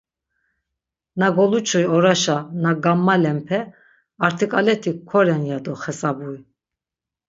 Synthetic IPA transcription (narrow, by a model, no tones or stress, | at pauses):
naɡɔlut͡ʃʰujɔɾaʃanaɡamːalɛmpʰɛ | aɾt̪ʰikʼalɛt̪ʰikʰːɔɾɛnjad̪ɔχɛsabui